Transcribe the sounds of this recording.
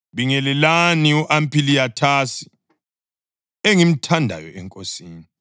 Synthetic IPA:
βiŋɛlɛlaniuʔampʰʼilijatʰasi̥ | eŋim̩tʰandʱa̰jɔ̰ɛŋkʼosiːni

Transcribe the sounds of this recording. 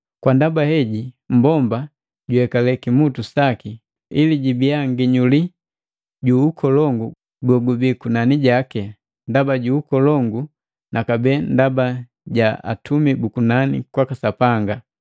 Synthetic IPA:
kwandabahɛɟi | m̩bɔmba | ɟuhɛkalɛkimutusaki | iliɟibiaŋɡiɲuli | ɟuukʰɔlɔŋɡu | ɡɔɡubikunaniɟakɛ | ndabaɟuukɔlɔŋɡu | nʔakabɛndaba | ɟaa̰tʰumibukunanḭkwakasapaŋɡa

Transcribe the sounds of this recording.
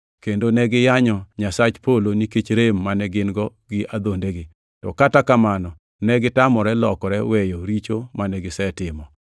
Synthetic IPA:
kendonɛɡɪjaɲɔɲasat͡ʃpoloniket͡ʃɾemːanɛɡɪnɡɔ | ɡɪʔad̪ondeɡɪ | tɔkatakamanɔ | nɛɡɪtamɔɾɛlɔkɔɾɛwejoɾit͡ʃomanɛɡɪsɛtɪmɔ

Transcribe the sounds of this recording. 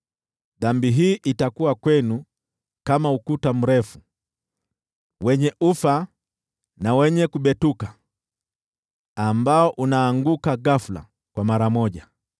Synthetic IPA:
ðambiɦiːʔitakuwakwɛnu | kamaukutam̩ɾɛfu | wɛɲɛʔufa | nawɛɲɛkuɓɛtuka | ambaɔʔunaːŋɡukaɡafula̰ | kwamaɾamɔʄa

